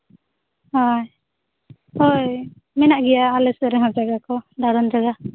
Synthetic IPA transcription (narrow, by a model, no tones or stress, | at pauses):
haj | oj | mɛnaʔɡɛjaːlɛsɔɾɛɦɔ̃d͡ʒaɡakɔɖaɾɔnd͡ʒaɡa